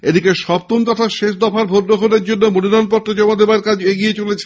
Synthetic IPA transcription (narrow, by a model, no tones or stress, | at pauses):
ed̪ikeʃɔb̚t̪unt̪ɔt̪ʰaʃeʃ̬d̪ɔfaɾbʱoɾd̪okoneɾd͡ʑonːomoniɾanp̬ɔʈːod͡ʑɔmad̪ebaɾkad͡ʑeɡijet͡ɕolet͡ɕʰe